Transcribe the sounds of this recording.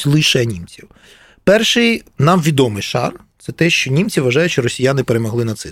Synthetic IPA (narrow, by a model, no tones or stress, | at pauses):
lˠɪʃɛnʲimt͡sʲiw | pɛrʃɪjnɑmʋʲid̪ɔmɪjʃɑ̰rt̪sɛt̪ɛʃt͡ʃɔnʲimt͡sʲiʋɐʒɑjʊt͡ʃɔɾɔsʲijanɪpeɾemɔɦlˠɪnɐt̪sɪ